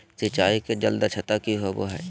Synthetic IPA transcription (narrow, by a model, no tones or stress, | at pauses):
sɪt͡ʃaːiked͡ʒɐld̪at͡ʃʰɐt̪akiɦoʋo̰ɦɛ̰ː